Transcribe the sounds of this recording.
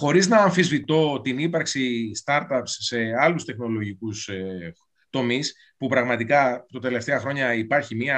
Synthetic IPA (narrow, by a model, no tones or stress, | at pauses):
xo̞ɾiznɐːɱfizvit̪o̞t̪inipɐɾksist̪ɐɾt̪ɐpsːe̞ɐlust̪e̞xno̞lo̞ʝikus | t̪o̞mis | pupɾɐɣmɐt̪ikɐt̪ɐt̪e̞le̞ft̪eɐxɾo̞ɲɐipɐɾçimiɐ